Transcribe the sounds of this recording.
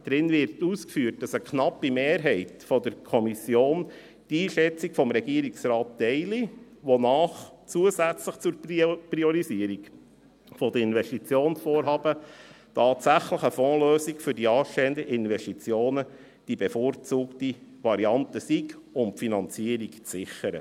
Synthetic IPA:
d̥̪ɾɪnʋɪɾtuskfyːt̚d̥ɑsəkʰnɑpːimeːɾɦɛɪtfɔd̪əɾkʰɔmisjoːn | d̥iːʃɛt͡sikfɔmɾɛɡ̥iəɾiksɾɑːtːɛɪli | ʋɔnɑːχ | t͡suəzæt͡sləχt͡sʊɾpɾiɔɾisiəɾik | fɔd̪əɪnvɛʃtit͡sjoːnsfɔːɾɦɑːb̥ə | tʰɑːtsæχləχəfɔ̃ːløːsikfʏɾdiɑːʃtɛənd̪əʔɪnʋɛʃtit͡sjoːnə | d̥ibefort͡suːktiʋɑɾiɑnt̪əsikʊmpfinɑnt͡siəɾikt͡sɪχəɾə̰

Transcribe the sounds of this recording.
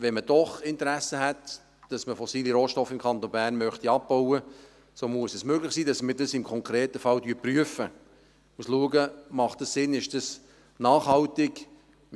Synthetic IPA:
ʋɛnməd̥ɔχɪntəɾæsəɦɛt | d̥ɑsməfɔsiːliɾoːʃtɔfːɪmkʰɑnt̪onbæːɾrnmœχt̪iɑp̚bowə | soːmuəsɛsmøːɡlɪχsiːdɑsmədɑsɪmkʰɔŋkʰɾeːtəfɑldyːɾpryəfə | musluəɡəmɑχt̚d̥ɑssɪnɪʃd̥əs | nɑːχhɑltɪɡ

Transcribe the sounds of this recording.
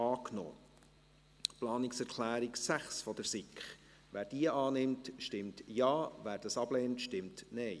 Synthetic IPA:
ɑːkno̰ː | plɑːnɪksɛɾkʰlæːɾiksæχsfɔd̪əɾsɪkχ | ʋæːɾd̥iəʔɑːnɪmtʃtɪmtjɑːvæːɾd̥ɑsɑb̥lɛːntʃtɪmtnɛɪ

